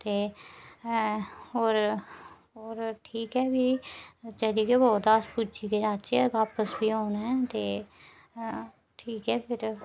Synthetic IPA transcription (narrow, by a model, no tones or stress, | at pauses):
t̪eː | ɦoːɾ | ɦoːɾʈʰiːkɛːbiːt͡ʃəliːkeboːd̪aːspud͡ʒiːkenaːt͡ʃɛːʋaːpəsbiːɦoːnɛ̃ːt̪eː | ʈʰiːkɛːpʰɪɾ